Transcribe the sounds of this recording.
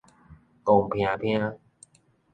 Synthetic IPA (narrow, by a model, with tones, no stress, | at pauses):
ko˨˧˩ŋpʰi˧a˧˩pʰi˧a˧